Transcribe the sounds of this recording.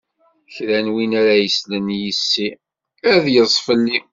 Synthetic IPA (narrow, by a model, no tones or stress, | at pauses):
çɾænwinæɾæjəslənjisːi | æðjəzˤfəlːi